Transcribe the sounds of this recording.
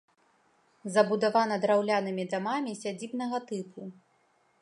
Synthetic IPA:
zɐbud̪avanɐd̪ɾawlʲanɨmʲid̪amamʲisʲad͡zʲibn̪ɐɣɐt̪ɨpu

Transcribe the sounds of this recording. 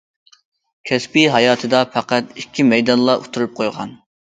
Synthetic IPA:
kʲʰɛspiɦɑjɑːt̪ʰɨd̪ɑpʰæqæt̪ikʲʰːimɛjd̪ɑnlˠɑʔot̪ʰuɾup̚qʰojʁɑ̰n

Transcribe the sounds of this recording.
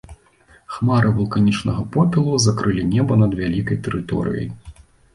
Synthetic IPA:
xmaɾɨvulˠkanʲit͡ʂnɐɣɐpɔpʲilˠuzakɾɨlʲinʲɛbɐnɐd̪vʲalʲikɐjt̪ɛɾɨt̪ɔ̰ɾɨ̰jɐ̰j

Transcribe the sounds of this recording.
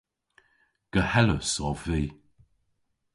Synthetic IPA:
ɡ̥əhɛləsɔviː

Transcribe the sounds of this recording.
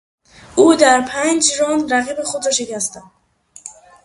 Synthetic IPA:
ʔuːd̪æɾpʰænd͡ʒɾɒːnɾæɣiːbexod̪ɾɒːʃe̞cæst̪ænd̪

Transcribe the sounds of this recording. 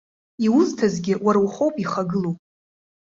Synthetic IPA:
iwʊztʰazɡʲɪwaɾawχowpʼiχaɡɨlowpʼ

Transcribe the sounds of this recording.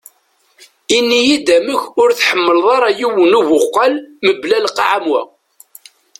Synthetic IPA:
inːijid̪æməçʊɾθħəmːəlðˤɑɾˤɑjiwənuvʊqːɑlməblælqːʕamwæ̰

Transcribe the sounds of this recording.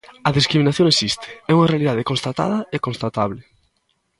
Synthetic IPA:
ɐðiskɾiminaθjoŋesist̪ʰɪ̥ɛuŋarealiðaðekonst̪at̪a̰ðɐekonst̪at̪aβlɪ

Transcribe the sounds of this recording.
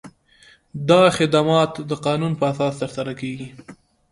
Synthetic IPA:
d̪ɑxɪd̪amɑt̪d̪əqɑnunpəasɑst̪əɾsaɾakeɡi

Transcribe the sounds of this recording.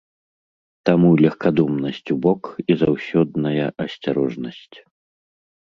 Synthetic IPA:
t̪amulʲɐxkad̪ɔmnɐsʲt͡sʲubɔkizawsʲɔd̪nɐjɐʔɐsʲt͡sʲaɾɔʐnɐsʲt͡sʲ

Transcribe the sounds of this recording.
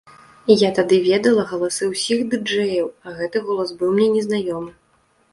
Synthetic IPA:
jat̪ad̪ɨvʲɛd̪ɐlˠɐɣɐlˠasɨwsʲiɣd̪ɨd͡ʐɛjɐwɐɣɛt̪ɨɣɔlˠɐsbɨwmnʲɛnʲɛznajɔmɨ

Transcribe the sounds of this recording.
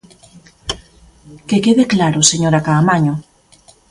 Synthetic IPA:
kekeðeklaɾose̞ɲoɾakaːmaɲo

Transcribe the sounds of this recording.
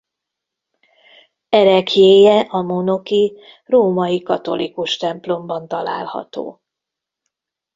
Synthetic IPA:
ɛɾɛkjeːjɛʔɒmono̞ki | roːmɒjikɒt̪o̞̰likuʃt̪ɛmplo̞mbɒn̪t̪ɒla̰ːlhɒ̰t̪o̰ː

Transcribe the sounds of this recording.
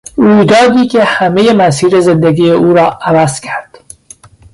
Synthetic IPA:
ɾuːjd̪ɒːd̪iːkʲʰehæmejemæsiːɾezend̪eɡiːjeʔuːɾɒːævæzcʰæɾd̪̥

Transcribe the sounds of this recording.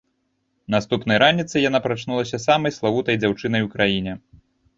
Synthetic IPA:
nast̪upn̪ɐjɾanʲit̪sɨjanapɾat͡ʂnulˠɐsʲɐsamɐjslˠavut̪ɐjd͡zʲawt͡ʂɨnɐjukɾajinʲɛ

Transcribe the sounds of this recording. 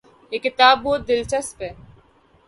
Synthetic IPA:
ekɪt̪aːboːd̪ɪlt͡ʃɐspe

